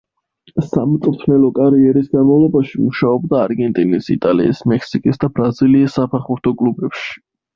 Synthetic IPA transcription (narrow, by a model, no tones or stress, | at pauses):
samt̪sʼt̪ʰnɛlɔkʼaɾiɛɾisɡanmavlˠɔbaʃimuʃaɔbd̪aːɾɡɛnt̪ʼinisḭt̪ʼalḭḭsmɛkʰsikʼisd̪abɾaziliːsːapʰɛɾχuɾt̪ʰɔkʼlubɛpʃi̥